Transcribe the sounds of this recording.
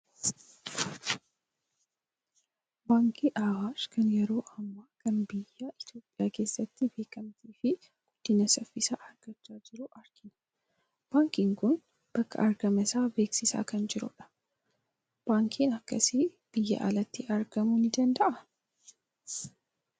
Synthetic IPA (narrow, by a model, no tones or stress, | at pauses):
baːŋkʰiʔaːwaːʃkʰɐnjɛɾo̞ːʔɐmːaːkʰɐnbɪjːaɪt̪jo̞ːpʼːɪjaːke̞ːsːɐt̪ːɪbe̞ːkɐmt̪iːfɪ | ɡ̥ʊd̪̥ːɪnːɐsɐfːɪsa̰ʔɐɾɡ̥ɐt͡ʃːaːd͡ʒɪɾuʔɐɾɡ̥ɪnɐ̥ | b̥aːŋkɪŋkʊn | b̥ɐkːɐ̰ʔɐɾɡɐmɛsaːbe̞ːksɪsa̰ːkɐnd͡ʒɪɾʊ̰ᶑɐ̥ | b̥aːŋkʰinɐkːɐsi | b̥ɪjːɐ̰ʔɐ̰lɐt̪ːɪʔɐɾɡɐmunɪd̪ɐnd̪ɐʔɐ